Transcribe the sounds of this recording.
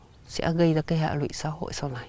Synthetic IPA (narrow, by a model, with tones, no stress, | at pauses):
sa̰˧ʔa̰˧ɣə˧jd̪a˧ke˧ɦa̰˧ʔlwḭ˧˨saː˨˦ɦo̰˧˨ʔso˧na˨